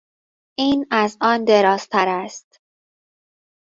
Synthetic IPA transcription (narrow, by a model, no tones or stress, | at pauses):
ʔiːnæzʔɒːnd̪e̞ɾɒːst̪ʰæɾæst̪